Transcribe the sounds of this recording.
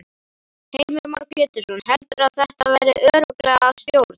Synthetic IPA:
heːjmɪɾma̰ɾkjɛːt̪ʏsɔnhɛlt̪ʏɾaðθɛht̪avɛjɾɪœːɾʏklɛɣaːðsjoːwɾt̪

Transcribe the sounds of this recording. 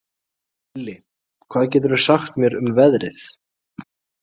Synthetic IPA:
lːɪ | kʰv̥aːðcɛːt̪ʏɾʏ̥saxt̪mjɛɾʏmvɛðɾɪθ

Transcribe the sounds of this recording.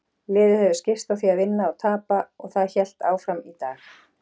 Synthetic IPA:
lɪːðʏhɛvʏscɪst̪awθiaðvɪnːaɔt̪ʰaːpaɔɣθaðçɛl̥t̪aːwfɾamit̪aːx

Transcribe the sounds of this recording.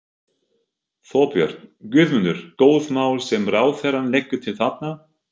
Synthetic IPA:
θɔːpjœ̰ɾ̥t̪ncʏðmʏnːʏɾ̥koːwðmaːwlsɛmraːwθɛɾanlejkːʏt̪ʰɪlθat̪̚na

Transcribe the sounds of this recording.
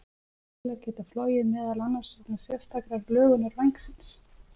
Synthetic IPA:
lɛɣcɛːt̪aflɔːjɪðmɛːðalanːḁsɔwknasjɛ̥st̪akɾaɾlœːɣʏnaɾvajŋksɪns

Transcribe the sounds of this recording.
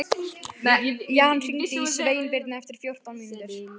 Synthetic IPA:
jaːhanfint̪ɪisveːjnpɪɾt̪naɛft̪ɪɾ̥fjowr̥t̪awnmint̪ʏɾ̥

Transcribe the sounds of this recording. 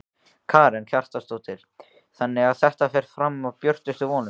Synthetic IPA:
kʰaːɾɛnç̥ar̥t̪ast̪oːwt̪ʰɪl̥ | θanːɪɣaðθɛht̪afɛɾ̥fɾamavpjœr̥t̪ʏst̪ʏvɔːnʏ

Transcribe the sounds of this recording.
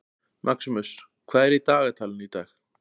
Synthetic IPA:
mʔaksʏmʏs | kʰvaːðɛɾit̪aːɣat̪ʰaːlɪnit̪aːx

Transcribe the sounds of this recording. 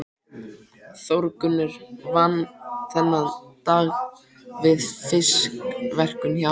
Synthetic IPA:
θowɾkʏnːʏɾvanːθɛnːaðt̪aːɣ | vɪðfɪskvɛr̥kʏnçja

